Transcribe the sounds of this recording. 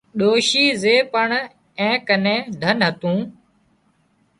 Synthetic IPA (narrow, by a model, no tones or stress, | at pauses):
ɗoːʃiːzeːpəɳ | ɛ̃ːkənẽːd̪ʱənɦət̪ũː